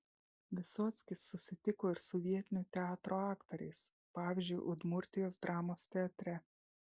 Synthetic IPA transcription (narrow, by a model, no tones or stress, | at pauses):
ʋʲɪsoːt̪sʲkʲɪsːʊsʲɪt̪ʲɪkoːɪɾsʊʋʲiɛt̪ʲɪnʲuːt̪ʲɛɑːt̪ɾoːɑːkt̪oɾʲɛ̰ɪs | pɑːʋʲiːzʲd͡ʒʲʊɪʔʊd̪mʊɾʲt̪ʲɪjoːsd̪ɾʔɑːmoːst̪ʲɛɐt̪ʲɾʲɛ